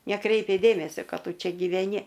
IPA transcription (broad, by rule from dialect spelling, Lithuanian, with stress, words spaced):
nʲɛˈkrʲɛɪpʲɛ ˈdʲeːmʲɛsʲoː ˈkɐt ˈtʊ ˈt͡ʃʲɛ ɡʲiːʋʲɛˈnʲɪ